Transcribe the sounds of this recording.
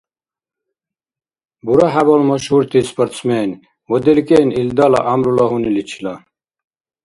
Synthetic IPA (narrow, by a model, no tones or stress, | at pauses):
buɾaɦabɔlmɔʃhuɾt̪ʰispəɾt͡sʰmɛːn | wɔd̪ɛlkeːnild̪ala̰ʔamɾulɔɦunilit͡ɕʰila